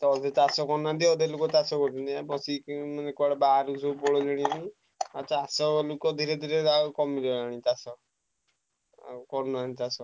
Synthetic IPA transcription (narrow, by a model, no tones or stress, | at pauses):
t̪ɔːd̪ʱet̪asɔkɔnant̪iɔd̪ʱelokɔt̪asɔkɔt̪ɔnd̪iabɔsimanekɔɽebaɾusopɔɭɔd͡ʒɛɽ̃ianĩ | ɔːʃʰaasɔlokɔd̪ʱiɾed̪ʱiɾeakɔmidɔaɽ̃ĩt̪asɔ | kɔɾnɔanit̪asɔ